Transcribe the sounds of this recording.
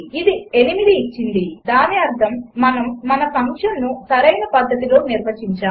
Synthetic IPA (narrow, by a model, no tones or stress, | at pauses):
id̪ie̞nimid̪iːt͡ʃːind̪id̪aːniɐɾd̪ʰʱɐmːɐnɐmːɐnɐpɐŋkʂɐmnusɐɾɐjnɐpɐd̪ʱːɐt̪ilo̞ːniɾbɐt͡ʃːiɲt͡ʃaː